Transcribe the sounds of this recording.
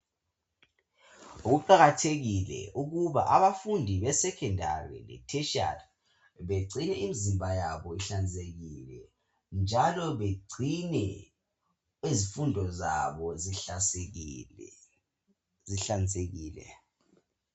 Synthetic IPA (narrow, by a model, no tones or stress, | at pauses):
uɣuǃaɣatʰeɣilɛ̰ʔuɣuβa̰ʔaβafundʱiβɛsɛkʰɛndʱa̰rḭlɛ̰tʰɛʃa̰d | βeɡ͡ǀʱinɛimizimbʱajaβɔiɬand͡zeɣilɛ | nd͡ʒʱalɔβeɡ͡ǀʱinɛ | ezifundʱɔza̰βɔzi | ziɬand͡zeɣiːlɛ̰